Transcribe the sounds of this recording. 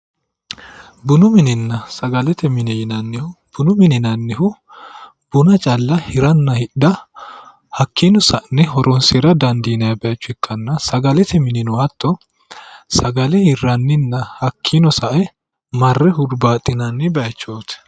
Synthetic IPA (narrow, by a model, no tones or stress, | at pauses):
bʊnʊmɪnɪnːɐsɐɡɐlɛt̪ɛmɪnɛjɪnɐnːɪhʊb̥ʊnʊmɪnɪnɐnːɪhʊ | b̥ʊnɐt͡ʃʼɐlːɐhɪɾɐnːɐhɪɗd̪ɐ | hɐkʰːinɔsɐʔnːɪɦɔɾʔɔnseɾɐd̪ɐnd̪iːnɐjɐbɛɐt͡ʃːʊɛkʰːɐnːɐsɐɡɐlɛt̪ʰɛmɪnɪnɔwɐt̪ːɔ | sɐɡɐlɛhɪrːɐnːɪnːɐhɐkʰːinɔsɐʔɛ | mɐrːɛhʊd̪baːt̪ʼːɪnɐnːɪbɛjɐt͡ʃːoːt̪